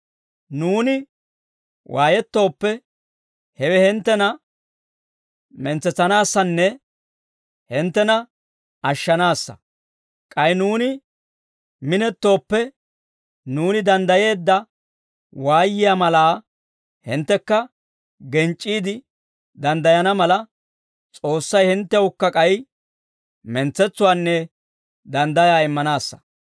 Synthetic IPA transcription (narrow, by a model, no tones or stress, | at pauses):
nuːnɪ | wʔaːjɛt̪ːo̞ːpːɛ | hɛwɛhɪnt̪ːɛnɐ | mɛnt͡sːɛt͡sːɐnaːsːɐnːɛ | hɪnt̪ːɛnɐ | ɐʃːɐnaːsːɐ̰ | kʼɐɪnuːnɪ | mɪnɛt̪ːo̞ːpːɛ | nuːnɪd̪ɐnd̪ɐje̞ːd̪ːɐ | waːjːɪjaːmɐlaː | hɪnt̪ːɛkːɐ | ɡɛnt͡ʃʼːiːd̪ɪ | d̪ɐnd̪ɐjɐnɐmɐlɐ | t͡sʼo̞ːsːɐjhɪnt̪ːɛʊkːɐkʼɐj | mɛnt͡sːɛt͡sːʊwaːnːɛ | d̪ɐnd̪ɐjaːɪmːɐnaːsːɐ̥